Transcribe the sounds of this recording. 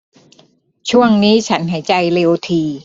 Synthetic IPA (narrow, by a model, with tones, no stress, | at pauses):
t͡ɕʰu˥˩əŋniː˦˥t͡ɕʰa˦˥nɦa˨˩˦jt͡ɕa˧jle˧wt̪ʰiː˧